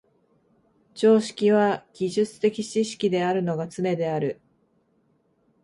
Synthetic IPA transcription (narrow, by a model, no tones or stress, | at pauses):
t͡ɕo̞ːɕi̥kʲiβaɡ̥ʲiʑɨt͡sɨ̥t̪e̞kʲit͡ɕiɕi̥kʲid̪e̞aɾɯ̟no̞ɡat͡sɨne̞d̪e̞aɾɯ̟